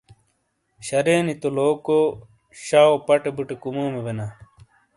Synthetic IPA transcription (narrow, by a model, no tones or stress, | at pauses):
ɕɐɾeːnit̪oloːko | ɕaːopɐʈebuʈekumoːmebena